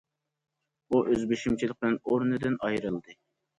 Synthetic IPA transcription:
uʔøzbeʃimt͡ʃʰilˠɪq̚bɨnoɾnɨd̪ɨnɑjɾɨlˠd̪ɨ

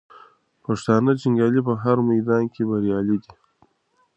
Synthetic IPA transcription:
paʂt̪ɑːnat͡ʃiŋɡɑːlip̬əɦaɾmajd̪ɑːnkʰebaɾjɑːlid̪i

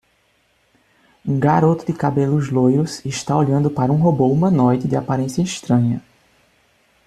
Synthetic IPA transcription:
ũɡaɾot̪ʊd̪ɪkabelʊzlojɾʊsɪʃt̪aoʎɐ̃nd̪ʊpaɾɐũɦoboumɐ̃nɔjd̪ɪd̪ɪapaɾẽsjɐɪʃt̪ɾɐ̃ɲɐ

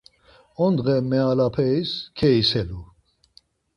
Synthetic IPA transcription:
ɔnd̪ʁɛmɛalapʰɛiskʰɛisɛlu

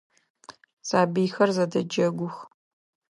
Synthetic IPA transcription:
z̥aːbijxɐrzɐdɐd͡ʒɐɡʷʊx

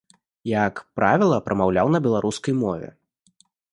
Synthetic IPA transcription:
jakpɾavʲɛlˠɐpɾɐmawlʲawnɐbʲɛlˠaɾuskɐjmɔvʲɛ̰

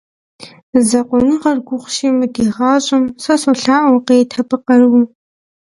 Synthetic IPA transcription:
zɐqʷʊnɨʁɐrɡʷʊχʷʊʃiːmɨɡiʁɑːɕʼɪmsɐsoɬaːʔwqeːtʰɐpʰʼɨqɐrwu

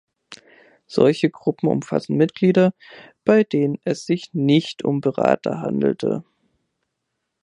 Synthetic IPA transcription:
z̥ɔ̰lçəɡʁʊpm̩ʊ̰mfa̰sn̩mɪtɡ̥liːdɐ | b̥aɪdeːnənɛsz̥ɪçnɪçtʰʊ̰mbəʁa̰ːtɐ̰ɦa̰ndl̩tʰə̰

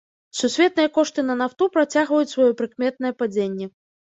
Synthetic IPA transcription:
susʲvʲɛt̪̚nɨjɐkɔʂt̪ɨnɐnaft̪upɾat͡sʲaɣvɐjut͡sʲsvajɔpɾɨkmʲɛt̪̚nɐjɛpad͡zʲenʲːɛ

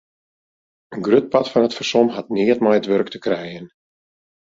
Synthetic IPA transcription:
ənɡrøt̚patfɑnətfərsɔmɦatnɪətmɔjətʋørktəkrɛjən

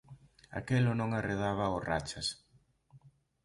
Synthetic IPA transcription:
a̰kelʊnõŋareðaβɐora̰t͡ʃɐs

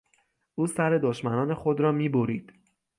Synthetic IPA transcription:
ʔuːsæɾe̞d̪oʃmænɒːne̞xod̪ɾɒːmiːboɾiːd̪̥

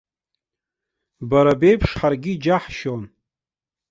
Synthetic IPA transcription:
baɾabe̞jpʰʂħarɡʲid͡ʒaħʃon

